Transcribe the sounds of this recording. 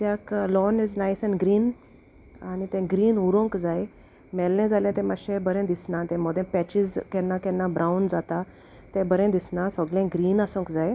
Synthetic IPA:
t̪jaklɔnid͡znajsaniɡɾiːn | anit̪ɛ̃ɡɾiːnuɾõŋkd͡zaj | mɛlnɛ̃d͡zalɛ̃t̪ɛ̃maɕẽbəɾɛ̃d̪isnãt̪ɛ̃mɔd̪ɛ̃pɛt͡ɕid͡zkɛnakɛnabɾʔaund͡zat̪a | t̪ɛ̃bəɾẽd̪isnãsɔɡlɛ̃ɡɾiːnasõŋkd͡zaj

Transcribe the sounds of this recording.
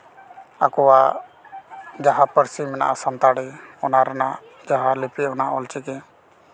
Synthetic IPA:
a̰kɔwa | d͡ʒaɦapəɾsimɛna̰ʔasant̪aɽɛɔnaɾanaʔ | d͡ʒaɦalipiɔnaʔɔlt͡ʃikɛ

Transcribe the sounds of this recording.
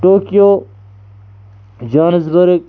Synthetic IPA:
ʈoːkijoː | d͡ʒaːnɐzbɐɾk̚

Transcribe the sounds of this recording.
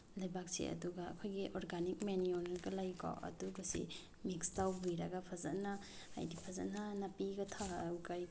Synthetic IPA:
lajbak̚sḛɐ̰duɡaɐ̰kʰojɡiʔoɾɡanik̚menionɡɐlajkɔ̰ɐ̰duɡɐsḭ | mikstawbujɾɐɡɐpʰɐzɐ̰tna̰ː | jdipʰɐzɐ̰tnanapiɡɐtʰawkaj

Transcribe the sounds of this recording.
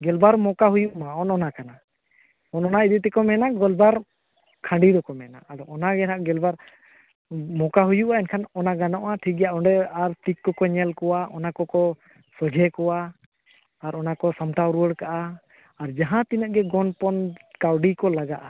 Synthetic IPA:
ɡɛlbaɾmɔkaɦujuʔmaɔnɔnakana | ɔnɔnaid̪ut̪ɛkɔmɛnaɡɔlbaɾ | kʰãɳɖid̪ɔkɔmɛnaad̪ɔʔɔnaɡɛnaʔɡɛlbaɾ | mɔkaɦujuʔaɛnkʰanɔnaɡanɔʔaʈʰikjaʔɔɳɖɛaɾt̪ikːɔkɔɲɛlkɔwaʔɔnakɔkɔ | sɔd͡ʒʱɛkɔwaː | ɾɔnakɔsamʈawɾuwəɽkaʔaː | ɾd͡ʒaɦãt̪inəʔɡɛɡɔnpɔnkawɖikɔlaɡaʔa

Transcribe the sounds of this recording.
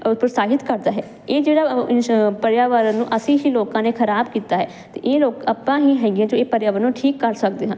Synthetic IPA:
pɾəsaːɦɪt̪kəɾd̪aːɦɛː | eːd͡ʒeːɽaːpəɾjaːʋəɾənũːʔəsĩːɦiːloːkãːneːkʰəɾaːbkiːt̪aːɦɛː | t̪ḛːʔeːloːkəpːãːɦiːɦɛːɡɪjãːd͡ʒoːeːpəɾjaːʋəɾnũːʈʰiːkːəɾsəkd̪eːɦãː

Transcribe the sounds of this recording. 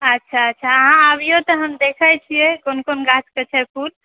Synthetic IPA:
ətːʃʰaətːʃʰaəɦãabijot̪ɔɦəmd̪ekʰəjt͡ʃʰijɛkonkonɡat͡ʃkət͡ʃʰɛpʰul

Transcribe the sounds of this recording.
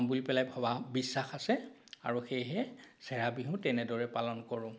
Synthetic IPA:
mbulipɛlajbʱababisːaxasɛ | a̰ɹuxejɦɛsɛɹabiɦʊ̃tɛnɛdɔɹɛpalɔnkɔɹʊ̃

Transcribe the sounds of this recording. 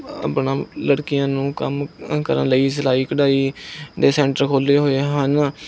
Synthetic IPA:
ə̰ːpɳãːləɽkɪjãːnũːkəmkə̰ɾə̰̃nləiːsəlaːiːkəɖaːiːd̪eːsɛ̃ːɳʈəɾkʰoːleːɦoːeːɦən

